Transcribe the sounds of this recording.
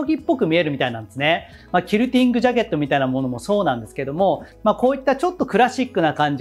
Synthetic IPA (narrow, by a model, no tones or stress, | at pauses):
oɡʲipːo̞kɯ̟mʲie̞ɾɯ̟mʲit̪ainãnd̪esɨne | makʲiɾɯ̟t̪ʲĩŋɡɯ̟ʑaɡe̞t̪ːo̞mʲit̪ainamo̞no̞mo̞so̞ːnãnd̪e̞sɨ̥ke̞d̪o̞mo̞mako̞ːit̪ːat͡ɕo̞t̪ːo̞kɯ̟ɾaɕikːɯ̟nakãɲ̟d͡ʑ